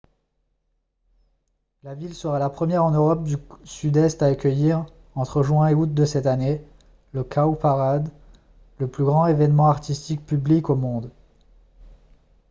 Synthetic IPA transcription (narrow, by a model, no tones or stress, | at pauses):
lavilsəʁalapχəmjɛʁɑ̃nøʁɔp̚d̪ysyd̪ɛst̪aːkʲəjiʁ | ɑ̃t̪χəʒwɛ̃eut̪̚d̪əsɛt̪ane | ləkʰawpaʁad̪ | ləplyɡʁɑ̃evɛnmɑ̃aʁt̪ist̪ik̚pyblikomɔ̃d̪